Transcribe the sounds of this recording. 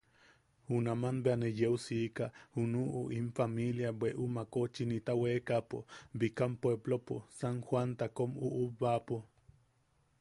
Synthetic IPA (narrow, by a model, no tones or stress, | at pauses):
hunamanbeanejeusikahunuʔuʔimfamiljabweʔumakot͡ʃinit̪aweːkapobikampwebloposaŋxwant̪akomuʔuβapo